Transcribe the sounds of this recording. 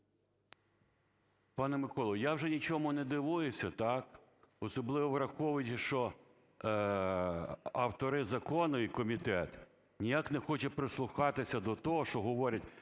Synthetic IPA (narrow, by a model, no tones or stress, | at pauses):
pɑnɛmɪkɔlˠɔjawʒɛnʲit͡ʃɔmʊnɛd̪ɪʋujʊsʲɐt̪ɑkɔsɔblˠɪʋɔʋɾɐxɔʋʊjʲʃt͡ʃɔ | ɐwt̪ɔɾɪzɐkɔnʊikɔmʲit̪ɛt̪ | nʲijaknɛxɔt͡ʃɐpɾɪslˠʊxɑt̪ɪsʲɐd̪ɔt̪ɔɦɔʃt͡ʃɔɦɔʋɔɾʲɐtʲ